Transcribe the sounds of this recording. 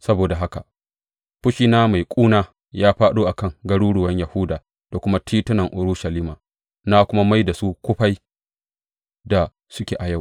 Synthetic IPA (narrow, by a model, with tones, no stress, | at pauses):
sɐ˦boː˨da˨ɦa˦ka˨ | ɸʊ˦ʃiː˦naː˦ma˨jkʷʼuː˦naː˦ | jaː˦ɸaː˦ɗuː˦ʔa˨kɐ˦˨ŋɡɐ˦ɽuː˦ɽʊ˨wɐ˦ɲjɐ˨hʊ˦daː˨ | d̥a˨kʷʊ˦ma˦tʰiː˦tʊ˦nɐ˨ŋʔʊ˨ɾʊ˦ʃɐ˨liː˦maː˨ | na˦kʷʊ˦ma˦ma˦jda˨su˦kʷʊ˦ɸa˦j | da˨ | sʊ˦kʲeː˨ʔa˨ja˦˨w